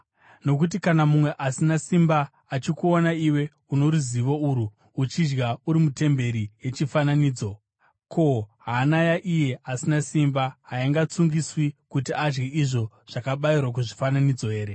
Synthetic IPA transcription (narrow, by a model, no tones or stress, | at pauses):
no̞kut̬ikanamumwe̞ʔasinasimbaː | t͡ʃikuonaiwe̞ | uno̞ɾuziʋo̞uɾuː | t͡ʃid͡ʒɡauɾimute̞mbe̞ɾije̞t͡ʃifananiːd͡zo̞ | kʰo̞ɦaːnajaʔije̞ʔasinasimbaɦaiŋɡat͡suŋɡiswikutiad͡ʒɡeʔiʐo̞ | ʐ̥akaɓairwak̬uʐifananid͡zo̞ɦe̞ːɾe̞